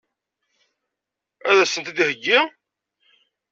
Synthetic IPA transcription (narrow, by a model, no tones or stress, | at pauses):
æðæsənt̪æd̪ihəɡːi